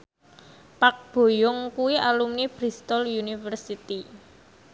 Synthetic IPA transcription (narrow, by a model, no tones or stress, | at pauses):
pak̚b̥o̤jʊŋkuwiʔalumnib̥ɾist̪ɔljunifərsit̪i